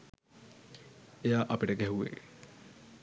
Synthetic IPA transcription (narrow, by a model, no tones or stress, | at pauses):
ejaːʔɐpiʈəɡɛɦuʋḛː